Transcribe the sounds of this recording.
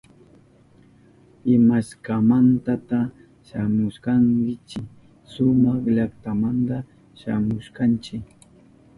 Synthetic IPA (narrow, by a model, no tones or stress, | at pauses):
ɪmaskamant̪at̪a | ʃamʊʃkaŋkɪt͡ʃɪ | sʊmɑχʎakt̪amant̪a | ʃamʊʃkant͡ʃɪk